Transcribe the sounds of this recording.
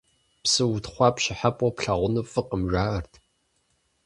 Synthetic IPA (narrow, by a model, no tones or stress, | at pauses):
psɨwʊtχʷɑpʃɪħapʼɔpɬaʁʷʊnɨfɨqəmʒaːɐrtʰ